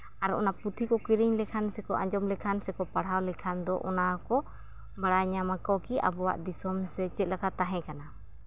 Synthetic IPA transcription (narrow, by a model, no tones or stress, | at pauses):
aɾɔnaput̪ʰikɔkiɾiɲlɛkʰansɛkɔʔã̰d͡ʒɔmlɛkʰansɛkɔpaɽɦawlɛkʰand̪ɔʔɔnakɔ | baɽaɲamakɔkiʔa̰bɔwa̰ʔd̪isɔmsɛt͡ʃɛt̪̚lakʰat̪aɦɛ̃kana